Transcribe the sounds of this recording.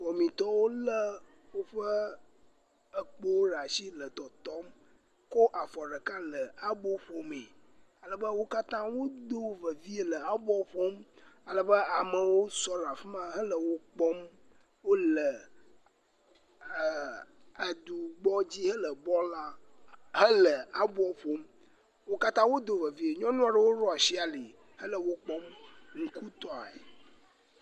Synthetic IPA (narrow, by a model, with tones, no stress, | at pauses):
ɸɔ˨mĩ˨t̪ɔ˦wo˦lə˦ | wo˦ɸə˦ | ə˨k͡po˦wo˦ɖa˨si˦lə˨t̪ɔ˨t̪ɔ˦m | ko˦ʔa˨fɔ˨ɖə˨kã˦lə˨a˦bɔ˦ɸo˦me˨a˨lə˦bə˦wo˦ka˦t̪ã˦wo˦d̪o˦və˨vi˦e˦lə˨a˨bɔ˦ɸo˦ma˨lə˦bə˦a˨mə˨wo˦sɔ˦ɾa˨fi˦mã˦ɦə˦lə˨wo˦k͡pɔ˦m | wo˦lə˨ | ə˨d̪u˨ɡ͡bɔ˦d͡ʑi˦ɦə˦lə˨bɔ˦la˦ɦə˦lə˨a˦bu˦ɔ˦ɸo˦m | wo˦ka˦t̪ã˦wo˦d̪o˨və˨vi˦e˨ɲɔ̃˦nũ˦a˨ɖə˦wo˦ɾɔ˦a˨si˦a˨li˨ | hə˦lə˨wo˦k͡pɔ˦mŋ̩̃˨ku˦t̪ɔ˦a̰˨ḛ˨